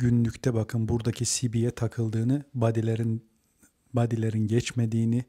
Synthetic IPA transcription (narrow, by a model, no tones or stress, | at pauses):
ɟynlʲyct̪ʰɛbakʰɯnbuɾd̪acʰisibijɛt̪ʰakʰɯlˠd̪ɯːnɯbd̪ɾ | bad̪ilʲe̞ɾinɟɛt͡ʃme̞d̪iːni